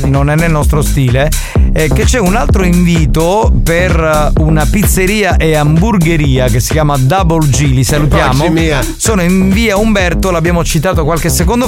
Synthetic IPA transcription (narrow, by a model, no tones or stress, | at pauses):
nonɛnːelnɔst̪ɾost̪iːle | k̟et͡ʃːɛunalt̪ɾoiɱviːt̪o | per | unapit̪sːeɾiːaʔeamburɡeɾiːakesːi̥kjaːmad̪abold͡ʒiːlisalut̪jaːmomi | soːnoiɱviːaumbɛrt̪olabːjaːmot͡ʃit̪aːt̪okwalkesekond̪o